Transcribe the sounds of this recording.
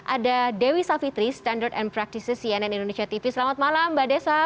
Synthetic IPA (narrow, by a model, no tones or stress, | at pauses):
ʔadadewisafit̪ɾist̪andərd̪ɛnpɾak̚t̪isəsiɛnɛnindonesiat̪ifisəlamat̪̚malambadasa